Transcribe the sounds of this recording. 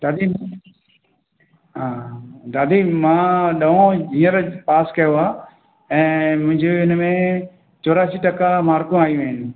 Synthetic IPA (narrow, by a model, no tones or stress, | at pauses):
d̪aːd̪i | ɦãːd̪aːd̪iːmãːɗɐɦõĩːəɾpaːskɐjoaː | ɛ̃ːmʊ̃ɦɪ̃ɲd͡ʑoɪnmẽ | t͡ʃoːɾaːsiʈɐkamaːɾkũaːjũaːɦɪnɪ̆